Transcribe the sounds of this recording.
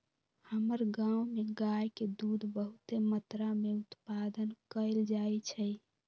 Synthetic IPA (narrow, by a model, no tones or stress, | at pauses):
həməɾɡãumeɡajked̪ud̪ʱbəɦut̪emət̪ɾameut̪pad̪ənkəld͡ʒaet͡ʃʰə